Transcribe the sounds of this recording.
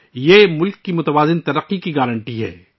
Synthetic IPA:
jemʊlkːimʊt̪ɐʋaːzɪnt̪ɐɾəqːikiɡaːɾə̃ɳʈiɦɛ̰ː

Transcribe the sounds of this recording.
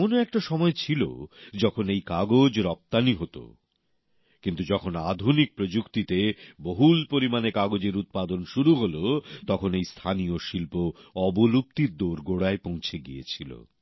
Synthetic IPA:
onoɛk̚ʈaʃɔmɔet͡ɕʰilo̰d͡ʑɔkʰonejkaɡod͡ʑɾɔp̚t̪aniɦot̪o̰ | kint̪ud͡ʑɔkʰonad̪ʱunik̚pɾod͡ʑukt̪it̪eboɦulpoɾimanekaɡod͡ʑeɾut̪̚pad̪onʃuɾuɦolot̪ɔkʰonejst̪ʰanijoʃilpoɔbolup̚t̪iɾd̪oɾɡoɽaepõw̃t͡ɕʰeɡiḛt͡ɕʰilo̰

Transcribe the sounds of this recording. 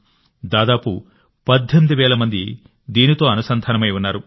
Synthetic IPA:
d̪aːd̪aːpu | pɐd̪ʱːemd̪uʋɛːlɐmɐnd̪i | d̪iːnit̪o̞ːɐnusɐnd̪ʱaːnɐmɐjunːaːɾu

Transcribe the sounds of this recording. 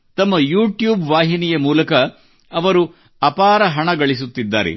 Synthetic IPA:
t̪ɐmːɐjuːʈjuːbʋaːɦinijɐmuːlɐkɐ | ɐʋɐɾu | ɐpaːɾɐɦɐɳɐɡɐɭisut̪ːid̪ːa̰ːɾḛ

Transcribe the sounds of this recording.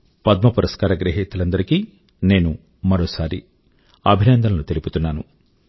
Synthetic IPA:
pɐd̪̚mɐpuɾʔɐskaːɾɐɡɾɐɦit̪ːulɐnd̪ɐɾikiː | ne̞ːnu | mɐɾoːsaːɾḭ | ɐbʱinɐnd̪ʱɐnloːt̪e̞liput̪unːaːnu

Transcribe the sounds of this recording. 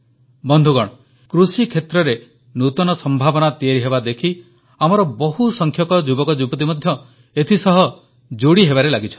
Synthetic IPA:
bɔnd̪ʱuɡɔɽ̃ɔ | kɾusikʰet̪ɾɔɾe | nut̪ɔnɔsɔmbʱabɔnat̪ieɾiɦebad̪ekʰi | amɔɾɔbɔɦusɔŋkʰjɔkɔd͡ʒubɔkɔd͡ʒubɔt̪̬imɔd̪ʱjɔ | et̪ʰisɔɦɔ | d͡ʒoɽiɦeβaɾelaɡit͡ʃʰɔ̥n

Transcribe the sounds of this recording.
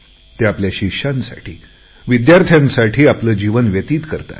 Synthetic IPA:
t̪eapljaɕiɕansa̰ʈʰḭː | ʋid̪jaɾt̪ʰjãnsaʈʰiːapləːd͡ʑiʋənʋjət̪iːt̪kəɾt̪a̰t̪

